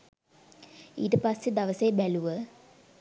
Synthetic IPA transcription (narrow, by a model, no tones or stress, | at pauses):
ḭdɨpɐsed̪ɐʋɐseːbɛluʋə